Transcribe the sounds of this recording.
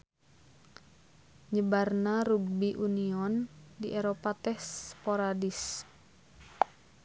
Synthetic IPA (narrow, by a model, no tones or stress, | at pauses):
ɲəbarnaɾuɡ̚biʔuniɔndiʔeɾopat̪ɛhspoɾadis